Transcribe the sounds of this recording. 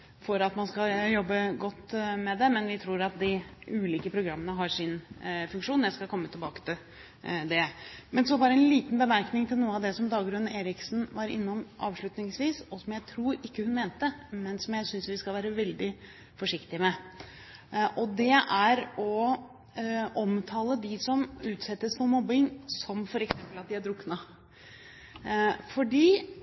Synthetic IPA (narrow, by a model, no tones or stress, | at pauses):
fɔɾɑt̪mɑnskɑjɔbːəɡɔt̪ːmɛd̪ɛmɛnʋɪt̪ʰɾuːɾɑt̪d̪ɪʉːliːkəpʰɾʊɡɾɑmːənəɦɑʂɪnfʉŋkʂuːnjæɪskɑkʰɔmːət̪ʰɪlbɑːkə̥t̪ʰɪl | d̪ɛmɛnsɔbɑːɾəɛnliːt̪nbəmæɾknɪŋt̪ʰɪlnuːəɑʋd̪ɛsɔmd̪ɑːɡɾʉnːeːɾɪksn̩ʋɑɾɪ̰nːɔmʔɑ̰ːʋʂɭʉt̪nɪŋsʋiːsɔsɔmjæɪt̪ʰɾuːɾɪkːəhʉnmeːnt̪əmɛnsɔmjæɪsʏnsʋɪskɑlʋæːɾəʋɛld̪ɪ | fɔʂɪkt̪ɪmɛ | ʔɔd̪ɛʔæɾɔ | ʔɔmt̪ʰɑːləd̪ɪsɔmʉːt̪sɛt̪ːəsfɔɾmɔbːɪŋsɔmfɔɾɛksɛmpəlɑt̪̚d̪ɪæɖ̪ɾʊkːnɑ | fɔɖiː